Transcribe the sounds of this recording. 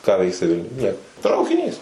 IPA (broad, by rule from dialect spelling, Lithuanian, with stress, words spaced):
kɑː ˈʋʲɛɪksʲɪ ˈʋʲɪlʲnʲʊj ˈnʲiɛkoː trɐʊkʲɪˈnʲiːs